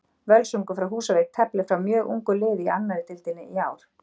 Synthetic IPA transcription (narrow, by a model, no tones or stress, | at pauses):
vœlsuŋkʏfɾawɦuːsaveːk̚t̪ʰɛplɪfɾawmjœːɣʔṵŋkʏlɪːðianːaðɪt̪ʰɪlt̪ɪnɪʔiaːwɾ̥